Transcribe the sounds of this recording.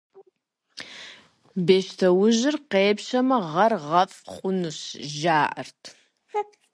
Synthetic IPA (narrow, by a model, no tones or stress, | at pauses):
beːʃtʰɐwʊʑɪrqeːpʃɐmɐʁɐrʁɐfʼχʷʼʊnɨɕʒaːʔɐ̰rtʰ